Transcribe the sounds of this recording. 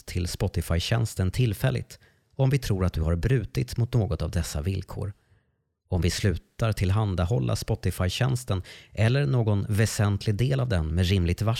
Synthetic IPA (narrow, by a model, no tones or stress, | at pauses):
t̪ʰːɪlspɔt̪ɪfajɕɛ̰nst̪ənt̪ʰɪlːfɛlːɪ̰t̪ | ɔmvɪt̪ʰɾuːɾat̪̚d̪ɵhaɾbɾʉ̟ːt̪ɪt̪mʊt̪noːɡɔt̪avd̪ɛsːa̰vɪlkʰo̰ːɾ | ɔmvɪslʉ̟ːt̪aɾʈʰɪlɦand̪ahɔlːʔa̰spɔt̪ɪfajɕɛnst̪ənʔɛlːəɾɳoːɡɔnvɛsɛnt̪ʰlɪɡd̪eːlavd̪ɛnmɛd̪ɾɪmlɪɡ̚t̪va